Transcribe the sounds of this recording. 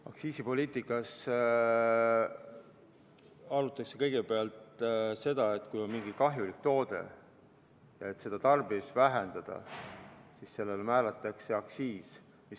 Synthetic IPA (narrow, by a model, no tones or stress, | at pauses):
ɑ̰ksiːsipo̞lʲiːt̪ˑikːˑɑs | ɑɾut̪ːˑɑkse̞kɤjɡ̥e̞peɑlt̪se̞d̪̥ɑet̪ːˑkujo̞nmiŋɡ̥ikɑɦjulikt̪o̞ːd̪̥e̞̰ | jɑe̞t̪ːˑse̞d̪̥ɑt̪ɑrb̥isvæɦend̪̥ɑd̪̥ɑ̰ | sisse̞lːelemæːlet̪ːˑɑkse̞ɑksiːs | mis